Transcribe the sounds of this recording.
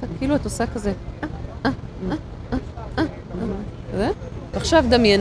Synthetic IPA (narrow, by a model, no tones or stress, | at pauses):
akːiːluat̪osakazeaʔaa | aʔa | azevaχʃavd̪amjen